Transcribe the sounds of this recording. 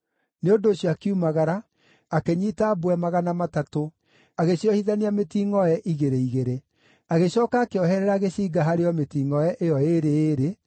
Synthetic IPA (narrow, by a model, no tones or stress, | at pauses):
neondoːɕjɔakiumaɣaɾaː | keɲiːtabwɛmaɣanamatato | aɣeɕiɔhiðaniametiːŋɔɛʔiɣeɾeiɣeɾe | aɣeɕɔːkaːkeɔɦɛɾɛɾaːɣeɕiːɡaɦaɾeɔmetiːŋɔɛʔejɔeɾeeːɾe